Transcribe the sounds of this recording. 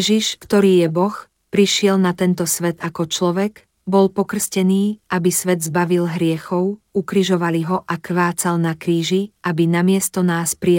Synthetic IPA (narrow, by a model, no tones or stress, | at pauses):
ʒiʃkt̪ɔɾiːjɛbɔx | pɾiʃɪɛlnat̪ɛnt̪ɔsʋɛt̪akɔt͡ʃlɔʋɛɡ | bɔlpɔkr̩scɛniːabisʋɛd̪zbaʋilɦɾɪɛxɔʊ | ukɾiʒɔʋaliɦɔʔakʋaːt͡salnakɾiːʒiʔabinamɪɛst̪ɔnaːspɾi